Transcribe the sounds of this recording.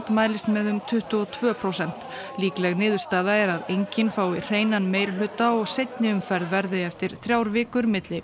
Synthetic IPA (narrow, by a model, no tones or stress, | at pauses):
t̪maːjlɪst̪mɛðʏmt̪ʰʏht̪ʏɔt̪ʰvœːpʰɾowsɛn̥t̪ | liːklɛɣnɪːðʏɾ̥st̪aːðaɛɾaðejɲcɪnfaːwir̥eːjnanmeːjɾɪl̥ʏːt̪aɔɣsejt̪nɪʏmfɛɾðvɛɾðɪɛft̪ɪɾ̥θɾjawɾvɪːkʏɾmɪt̪lɪ